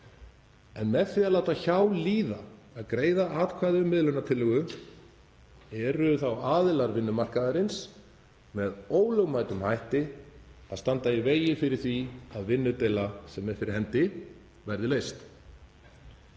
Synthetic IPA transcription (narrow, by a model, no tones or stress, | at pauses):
ɛnmɛðθɪaðlawt̪açawliːðaː | ðkɾeːjðaaːt̪kʰvaːðʏmːɪðlʏnːat̪ʰɪlːʏɣʏ | ɛɾʏθawaːðɪlaɾvɪnːʏmar̥kaðaɾɪns | mɛðoːwlœɣmaːjt̪ʏmhajht̪ɪaðst̪ant̪aiveːjɪfɪɾɪɾ̥θviaðvɪnːʏt̪eːjlasɛmːɛðfɪɾɪɾhɛnt̪ɪ | vɛɾðɪleːjst̪